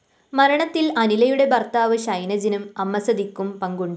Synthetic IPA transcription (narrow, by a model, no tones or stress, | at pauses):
mɐɾɐɳɐt̪ːilɐnilɐjuɽe̞bɐrt̪aːʋɨɕɐjnɐd͡ʑinumɐmːɐsɐd̪ikːumpɐŋɡuɳɖɨ